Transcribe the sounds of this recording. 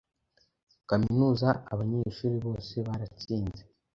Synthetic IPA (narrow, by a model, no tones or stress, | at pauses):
kaminuːzaʔa̰βaɲeːʃuːɾiβo̞ːse̞βaɾat͡siːnze